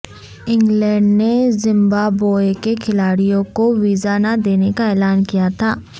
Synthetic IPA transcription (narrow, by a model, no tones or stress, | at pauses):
ɪ̃ŋɡlɛ̃ːɖnezɪ̃mbaːboːekekʰɪlaːɽijõkoʋiːzanad̪eːnekaɛːlaːnkijat̪ʰaː